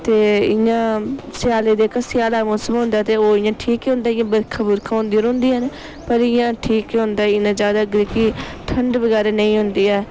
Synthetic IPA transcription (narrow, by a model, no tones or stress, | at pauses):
t̪eːɪjãːsɪjaːleːd̪eːkəsɪjaːlaːmõːsəmɦʊ̃ːnd̪aːt̪eːoːɪjãːʈʰiːkiːɦʊ̃nd̪aːɪjãːbəɾkʰabʊɾkʰãːɦʊ̃ːnd̪iːɾõːnd̪iːɦən | pəɾɪjãːʈʰiːkiːɦʊ̃nd̪aːɪnãːzjaːd̪aːɡəɾikiː | ʈʰəɳɖbəɡɛːɾeːnəĩːɦʊnd̪iːɛː